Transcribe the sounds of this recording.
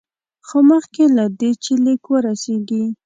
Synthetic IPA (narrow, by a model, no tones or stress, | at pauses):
xoməxkelad̪et͡ʃelɪkwəɾaseɡi